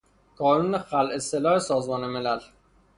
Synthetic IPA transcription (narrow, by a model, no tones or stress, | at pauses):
kʰɒːnuːnexælʔeselɒːhesɒːzmɒːnemelæl